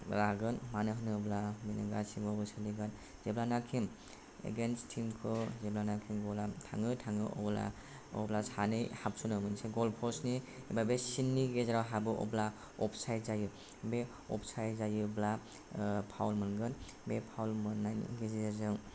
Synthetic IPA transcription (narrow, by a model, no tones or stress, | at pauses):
laɡɯnmanɯɦɯnɯblamenɯɡasiɡɔbɯsaliɡɯn | z̥eblanakʰim | ḛɡenstʰimkʰɯzeblanakʰimɡɔlatʰa̰ŋɯtʰaŋɯʔɔ̰bla̰ | ɔ̰blasanɯjhap̚sʰunɯmɯnseɡɔlpʰɔsniebabesinːiɡezɾawɦabɯʔɔ̰bla | ɔpsajdzajɯ | be | ɔ̰pʰsajzajɯbla | pʰawlmɯnɡɯnbepʰawlmɯnːajnɡezezɯŋ